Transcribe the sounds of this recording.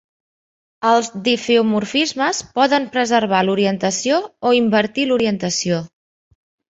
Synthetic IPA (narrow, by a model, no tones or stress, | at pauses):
əlˠzd̪ifeumurfizməspɔðəmpɾəzərβ̞aluɾiənt̪əsiooimbəɾt̪iluɾiənt̪əsio